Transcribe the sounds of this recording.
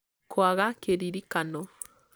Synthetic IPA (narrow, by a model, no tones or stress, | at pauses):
kʰwaɣakeɾiɾikanɔ